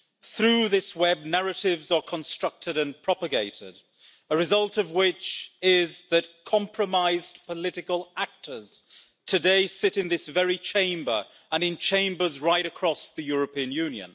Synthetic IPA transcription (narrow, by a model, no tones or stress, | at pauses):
θɹʉðɪswɛb̚næɹɨɾɪvzə˞kʰə̃nstɹ̥ʌk̚tɨɾɨ̃npʰɹ̥ɑpəɡeɪɾɪ̰d | əɹɨzʌlˠtʌvwɪt͡ʃɪzðɨt̚kʰɑ̃mpʰɹ̥əmaɪzpʰəlɪɾɨkəlˠak̚tʰə˞z̥ | tʰɨdeɪsɪɾɨ̃nðɪsvɛɹit͡ʃʰẽɪ̃mbə̰˞ | ə̃nɨ̃nt͡ʃʰẽɪ̃mbə˞zɹaɪɾɨkʰɹ̥ɔsðɨjʊɹəpĩɨ̃njʉ̃njɨ̰̃n